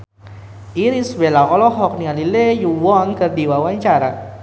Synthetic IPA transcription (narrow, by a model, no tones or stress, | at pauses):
iɾisbelaɔlɔɦɔk̚nialilejuwɔnkərdiwawaɲt͡ʃaɾa